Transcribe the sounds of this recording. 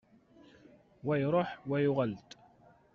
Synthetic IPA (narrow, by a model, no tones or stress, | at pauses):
wæjɾˤoħwæjʊʁəlt̪